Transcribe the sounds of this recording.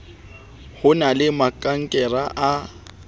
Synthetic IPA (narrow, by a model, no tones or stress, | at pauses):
hʊnalɪmakʼaŋ̩kʼɛraʔa